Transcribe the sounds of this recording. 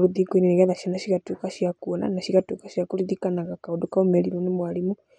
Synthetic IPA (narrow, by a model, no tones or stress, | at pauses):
ɾuðikoineneɣɛðaʃanaʃiɣatukaʃijakuɔna̰naʃiɣatukaʃiakuɾiðikanaɣakaodokaomɛɾiɾwanemwalimu